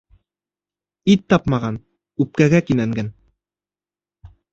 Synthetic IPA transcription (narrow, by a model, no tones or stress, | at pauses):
it̪ːɑpmɑʁɑn | ʉp̚kæɡækinæŋɡæn